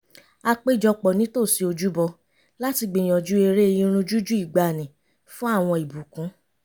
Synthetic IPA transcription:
a˧k͡pe˦˨d͡ʒɔ˧k͡pɔ˨nĩ˨˦to˦˨si˧o˧d͡ʒu˦bɔ˧ | la˦ti˧ɡ͡bĩ˨j̃ɔ̃˨d͡ʒu˦e˧ɾe˦˧jĩ˦ɾ̃ũ˧d͡ʒu˦d͡ʒu˦i˦˨ɡ͡ba˨nĩ˨ | fũ˦a˦˨w̃ɔ̃˧i˨bu˨kũ˨˦

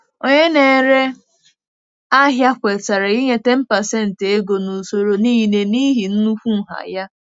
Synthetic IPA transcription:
o˨ɲe˦ne˨ɾe˦ | a˦ɦja˦kʷe˨ta˨ɾe˨i˦ɲe˦te˦m̩˦pa˨se˦˨n̩˨te˦ɡo˨nu˨so˦ɾo˦ni˦˨ne˨ni˦ɦi˨n̩˦nu˦fʷu˦˨ɦa̰˨ja˦

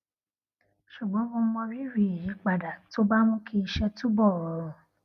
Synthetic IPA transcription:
ʃu˨ɡ͡bɔ̃˨˦õ˧˦mɔ̃˧ɾi˦ɾi˧˨i˨ji˨˦k͡pa˨da˨to˦ba˦mũ˦kʰi˧i˧ʃɛ˧tu˦bɔ˦˨

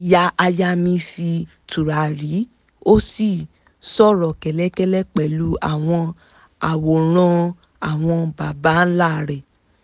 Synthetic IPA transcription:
ja˧˦ʔa˧ja˧˦mĩ˧si˧ | tu˨ɾa˨ɾi˨˦ | o˦si˦˨ | sɔ˦˨ɾɔ˨kɛ˨lɛ˨˦kɛ˦lɛ˦k͡pɛ˨lu˨˦a̰˦˨w̃ɔ̃˧ | a˨wo˨ɾ̃ɔ̃˧ | a˨w̃ɔ̃˧ba˨ba˨˦n̩˦la˦˨ɾɛ˨

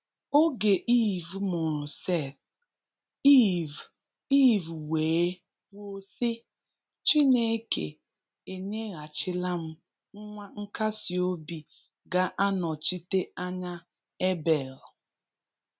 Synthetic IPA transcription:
o˦ɡe˨ʔi˦vmʊ˨ɾʊ˨se˦˨t̚ | i˦v | i˦vweː˨˦ | wo˦se˦ | t͡ʃi˦ne˦ke˨ | e˨ɲe˦ɣa˨t͡ʃɪ˦la˦m̩˦ | ŋ̩˦ŋʷa˦ŋ̩˦ka˦si˨o˦bi˨ | ɡa˦ʔa˦nɔ˨t͡ʃi˦te˦a˦ɲa˦ | e˦be˨l

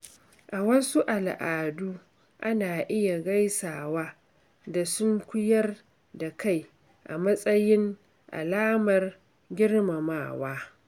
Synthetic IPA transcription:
ʔa˨wɐ˦su˦ʔa˨lʔaː˨du˦ | ʔa˦naː˨ʔɪ˦ja˨ɡa˦jsaː˨waː˦ | da˨sʊ˦ŋkʷʊ˦jɐ˦r | da˨ka˦˨j | ʔa̰˨mɐ˦sʼɐ˦jɪ˦ŋ | ʔa̰˨laː˦mɐ˨r | ɡʲɪ˦rma˨maː˨waː˦

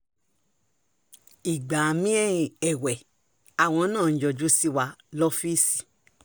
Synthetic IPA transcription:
i˨ɡ͡ba˨mĩ˦ɛ˦ĩ˨ɛ˨wɛ˨ | a˨w̃ɔ̃˧˦nãː˦˨˦d͡ʒɔ˧d͡ʒu˦si˦wa˧lɔ˦fi˦si̥˨

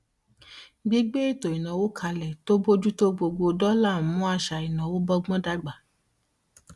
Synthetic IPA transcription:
ɡ͡bi˦ɡ͡be˦i˦˨to˨i˨nã˨wo˦kʰa˧lɛ˨to˦bo˦d͡ʒu˦to˦ɡ͡bo˧ɡ͡bo˧dɔ˦la˦˨mũ˦a˧ʃa˧i˨nã˨wo˦bɔ˦ɡ͡bɔ̃˦da˧ɡ͡ba˨

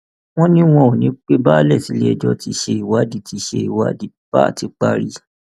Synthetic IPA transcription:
w̃ɔ̃˦nĩ˦w̃ɔ̃˧o˨nĩ˨˦k͡pe˦ba˦lɛ˦˨si˨˦le˦ɛ˧˨d͡ʒɔ˧ti˧ʃe˧i˨wa˨˦di˧ti˧ʃe˧i˨wa˨˦di˦b̥a̰˦˨ti˨˦k͡pa˦ɾi˧˦

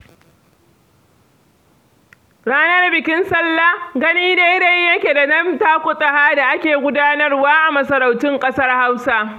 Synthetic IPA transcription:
ɽaː˦nɐ˦rbɪ˨kʲɪ˦nsɐ˦lːa˦ɡɐ˦niː˦da˦jda˦jjɐ˦kʲe˨da˨nɐ˦mtaː˦kʷʊ˦sʼɐ˨haː˦da˨ʔa˦kʲeː˨ɡʷʊ˦daː˦nɐ˦rwaː˦ʔa˨mɐ˦sɐ˨ɾa˨wtɪ˦ŋkʼɐ˦sɐ˦rha˦wsa˦

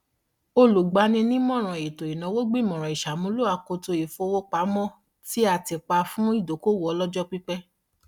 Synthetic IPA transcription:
o˧lu˨ɡ͡ba˧˦nĩ˧nĩ˦mɔ̃˦˨ɾ̃ɔ̃˨e˨to˨i˨nã˨˦wo˦ɡ͡bi˦˨mɔ̃˨ɾ̃ɔ̃˨i˨ʃa˨mũ˨˦lo˦a˧ko˧to˧i˨fo˧wo˦k͡pa˨˦mɔ̃˦ | ti˦a˧˨ti˧k͡pa˧fũ˦i˦˨do˨˦ko˦˨wɔ˦ɔ˨˧˦lɔ˦d͡ʒɔ˦k͡pi˦k͡pɛ˦

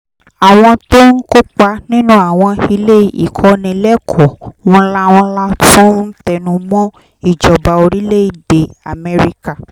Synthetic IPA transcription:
a˨w̃ɔ̃˧to˦n̩˦ko˦k͡pa˧nĩ˦nũ˦a˨w̃ɔ̃˧i˧le˦˨ḭ˨kʰɔ˨˦nĩ˧lɛ˦kʰɔ˨w̃ɔ̃˧la˦wɔ̃˧la˦fũ˦n̩˦tɛ˦˨nũ˨˦mɔ̃˦ | i˦˨d͡ʒɔ˨ba˨o˧ɾi˦le˦i˨de˨a˨mɛ˧ɾi˧˦ka˦˨

